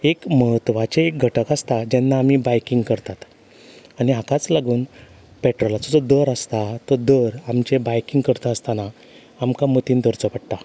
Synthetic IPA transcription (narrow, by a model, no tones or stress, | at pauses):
ekməɦət̪ʋat͡ɕeek̚ɡʱəʈəkast̪ad͡ʑɛnːaːmibajkiŋɡkəɾt̪at̪ | añiɦakat͡slaɡuːn | pɛʈɾɔlat͡sɔd͡zɔd̪əɾəst̪at̪əd̪əɾamt͡ɕebajkiŋɡkəɾt̪aːst̪ana | amkamət̪iːnd̪əɾt͡sɔpəɽʈ̪a